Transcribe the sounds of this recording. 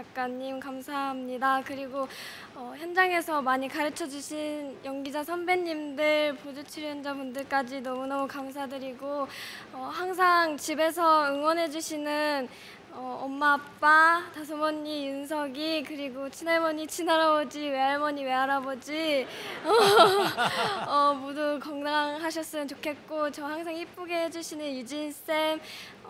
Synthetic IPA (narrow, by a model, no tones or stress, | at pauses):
t͡ɕak̚k͈aɲːimkamsʰaɦamɲidakɯɾiɡo | ʌçjʌnd͡ʑaŋe̞sʰʌmaɲikaɾɯt͡ɕʰʌd͡ʑuɕʰinjʌŋɡid͡ʑasʰʌnbe̞ɲːimdɯɭpod͡ʑut͡ɕʰiɭjʌnd͡ʑapundɯɭk͈ad͡ʑinʌmunʌukams̬ʰadɯɾiɡoʌhaŋsʰaŋt͡ɕibe̞s̬ʰʌɯŋwʌnɦe̞d͡ʑuɕʰinɯn | ʌʌmːapp͈atas̬ʰʌmʌɲːijɯnsʰʌɡikɯɾiɡot͡ɕʰinaɭmʌɲit͡ɕʰinaɾabʌd͡ʑiwe̞aɭmʌɲiwe̞aɾabod͡ʑiʌ | ʌmodukʌŋdaŋɦaɕʰʌs͈ɯmɯnt͡ɕokʰe̞t̚k͈ot͡ɕʌɦhaŋs̬ʰaŋhip̚p͈uɡeɦed͡ʑuɕʰinɯnjud͡ʑins͈em